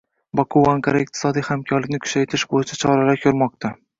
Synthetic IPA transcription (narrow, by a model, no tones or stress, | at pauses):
bɒkʰʊwaŋkʰaɾaɪq̚t̪ʰɪ̥sɒd̪ijhamkʰʲɒɾlɪkʲnɪkʰʊ̥ʃajt̪ʰɪʃbojɪt͡ʃʰat͡ʃʰɒɾalakʲʰɵɾmɒq̚t̪ʰa